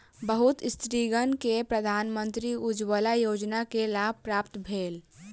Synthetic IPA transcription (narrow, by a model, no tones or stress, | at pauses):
bəɦut̪st̪ɾiɡənkepɾəd̪ʱaːnmə̃nt̪ɾiud͡ʒwəlajoːd͡ʒnakelaːb̚pɾaːpt̪bʱeːl